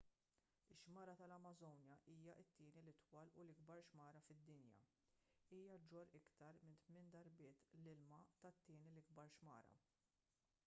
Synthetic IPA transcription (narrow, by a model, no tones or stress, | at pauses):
ɪʃmɐːɾɐt̪ɐlɐmɐzɔwnjɐʔiːjɐʔɪt̪ːɪːnilɪt̪wɐːlulɪɡbɐɾʃmɐːɾɐfɪd̪ːɪnjɐ̰ | iːjɐd͡ʒɔɾɪkt̪ɐɾmɪnt̪mɪːnd̪ɐɾbɪːt̪lɪlmɐt̪ɐt̪ːɪːnilɪɡ̚bɐɾʃmɐ̰ːɾɐ̰